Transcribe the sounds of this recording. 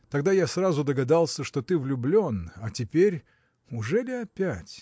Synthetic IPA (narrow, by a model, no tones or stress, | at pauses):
t̪ɐɡd̪ajasrazʊd̪əɡɐd̪alˠsʲəʂt̪ot̪ɨvlʲʊblʲo̞nɐtʲɪpʲeɾʲ | ʊʐɛlʲɪɐpʲætʲ